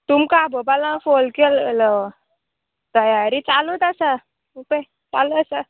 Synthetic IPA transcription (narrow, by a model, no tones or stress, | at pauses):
t̪umkabʱəbalãfolkellə | t̪əjaɾit͡salut̪asa | upə | t͡saləasa